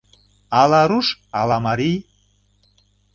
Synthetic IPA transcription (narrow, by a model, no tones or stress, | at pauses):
ɑlɑɾuʃɑlɑmɑɾij